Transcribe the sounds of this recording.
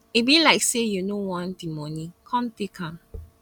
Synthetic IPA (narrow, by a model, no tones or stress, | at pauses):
ibilaɪksejunowãndimɔnĩkʰɔ̃nt̪ekʰãm